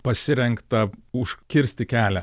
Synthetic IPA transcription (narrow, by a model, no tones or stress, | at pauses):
pɐsʲɪɾʲɛŋkt̪ɐʊʃʲkʲɪɾʲsʲt̪ʲɪkʲæːlʲɛ